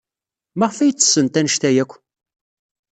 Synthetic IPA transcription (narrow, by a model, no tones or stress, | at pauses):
mæʁfæjət͡sːə̥sːənt̪ænəʃt̪æjækʷː